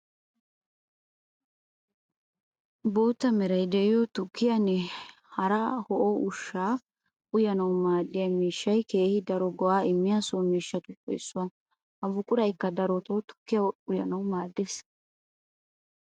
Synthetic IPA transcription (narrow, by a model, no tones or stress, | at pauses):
boːt̪ːɐmɛɾɐjd̪ɛʔɪjot̪ʊkːɪjɐnːɛ | hɐɾɐhɔʔoʊʃːaː | ʊjɐnɐwmaːd̪ːɪjɐmiːʃːɐjke̞ːhɪd̪ɐɾɔɡɔwaːɪmːɪjasomiːʃːɐt̪ʊɔ̰jsːʊwɐ | ʔɐbʊkʼʊɾɐjkːɐd̪ɐɾɔt̪oːt̪ʊ̥kːɪjɐʊjɐnɐwmaːd̪ːes